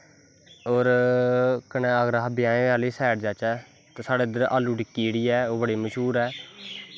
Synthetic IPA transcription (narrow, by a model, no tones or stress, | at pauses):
oːɾ | kənɛːəɡəɾaɦbɪjãːẽːʋaːliːsɛːʈd͡ʒaːt͡ʃɛː | t̪eːsaːɽeːd̪əɾʔa̰ːlːuːɖɪkːiːɽiːɛːoːbəɽiːməʃɦuːɾɛː